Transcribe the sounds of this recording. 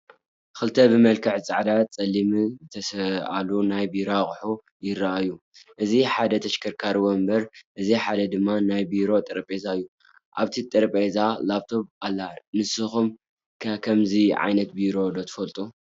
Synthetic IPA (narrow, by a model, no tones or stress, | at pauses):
xɨlt̪ʰɐbɨmɐlkʰɨħt͡sʼa̰ʕd̪at̪̚t͡sʼɐlːimɨzɨt̪ʰɐsɐʔalunajbiɾaχʼħu | jɪɾːaʔajːuʔɨziħad̪ɐt̪ʰɐʃkʰɐɾkʰaɾwombɐɾʔɨziħad̪ɐd̪ɨmːanajbiɾo̞t̪ʼɨɾpʼezaɨjːu | ʔa̰βt̪ʰit̪ʼɐɾpʼezalaβt̪ʰo̞βalːanɨsɨxum | kʰɐkʰɐmziʕa̰jnɐt̪̚biɾo̞d̪ot̪ʰɨ̥fɐlt̪ʼu